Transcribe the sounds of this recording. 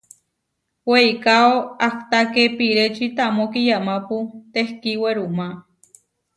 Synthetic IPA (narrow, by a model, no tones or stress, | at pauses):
weikaoakt̪akepiɾet͡ʃit̪amokijamaput̪ehkiweɾuma